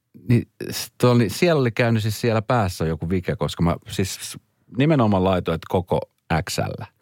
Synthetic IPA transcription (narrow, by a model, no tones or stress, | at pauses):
nist̪uolnisiɛlolikæynysissiælæpæːsːæjokuʋikekoskɑmæ̰sis | nimenomɑlɑit̪oet̪koko̰ | æksæ̰lːæ